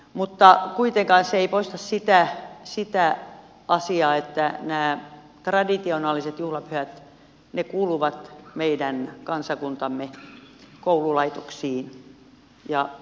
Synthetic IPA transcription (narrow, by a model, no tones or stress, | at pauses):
mut̪ːɑkuit̪eŋkɑːnseeipoist̪ɑssit̪æsit̪æ | ɑsiɑːet̪ːænæː | t̪rɑdit̪ionɑːliset̪juhlɑpyhæt̪ | nekuːluʋɑt̪meidænkɑnsɑkunt̪ɑmːe | koululɑit̪oksiːn | jɑ